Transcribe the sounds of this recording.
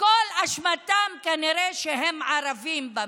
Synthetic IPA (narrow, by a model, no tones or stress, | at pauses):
kolaʃmat̪amkaniɾeʃeɦemʕaɾavimba